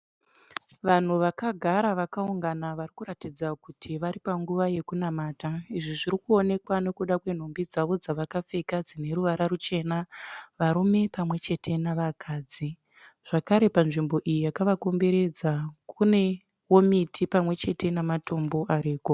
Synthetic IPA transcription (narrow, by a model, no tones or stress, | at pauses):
ʋan̤uʋakaɡʱaɾaʋakauŋɡanaʋarikuɾatid͡zakutʰiʋaɾipaŋɡuʋaje̞kunamaːtaiʐiʐiɾikuo̞ne̞kwane̞kuɗakwe̞n̤o̞mbid͡zaʋo̞d͡zaʋakap͡fe̞kad͡zine̞ɾuʋaɾarut͡ʃe̞naʋaɾume̞pamwe̞t͡ʃe̞tʰe̞naʋakʰaːd͡zi | ʐ̥akaɾe̞panʐimbo̞ʔijijakaʋako̞mbe̞ɾe̞d͡zakʰune̞ | wo̞mitʰipamwe̞t͡ʃe̞te̞namato̞mbo̞ʔaɾiːko